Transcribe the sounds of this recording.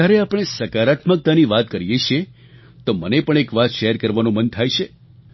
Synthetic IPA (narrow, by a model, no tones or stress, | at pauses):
aɾeapɳ̃esəkaɾat̪mək̚t̪aniʋat̪kəɾijet͡ʃʰie | t̪omənepəɳ̃ekʋat̪ʃeɦɛɾkəɾʋanũmənt̪ʰajʃe